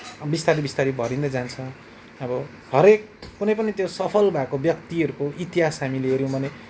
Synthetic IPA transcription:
bist̪aɾibist̪aɾibʱʌɾind̪ʌd͡zant͡sʰʌ̃ | ʌbʌ | hʌɾek̚ː | unʌjpʌnit̪josʌpʰʌlbʱakobjʌkt̪iʌɾukoʔit̪iɦasɦamileeɾjõw̃bʱʌne

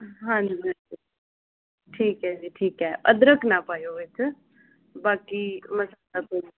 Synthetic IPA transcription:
ɦãːd͡ʒibɛɾkʊ | ʈʰiːkɦɛːd͡ʒiːʈʰiːkɦɛːʔəd̪ɾəkʰnaːpaːjoːʋɪt͡ʃ | baːkiməsat̪aːpə

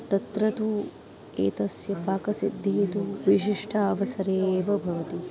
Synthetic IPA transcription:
t̪ɐt̪ɾɐt̪u | ḛːt̪ɐsjɐpaːkɐsid̪ʱːit̪uʋiʃiʂʈʰɐːʋɐsɐɾeːʋɐbʱɐʋɐt̪i

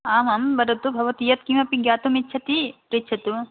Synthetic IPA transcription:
aːmɐmbɐɾɐt̪ubʱɐʋɐt̪ijɐt̪kimɐpiɡjaːt̪umitːʃʰɐt̪ipɾit͡ʃʰɐt̪u

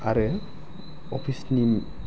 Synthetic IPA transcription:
aɾɯ | ɔpʰisnim

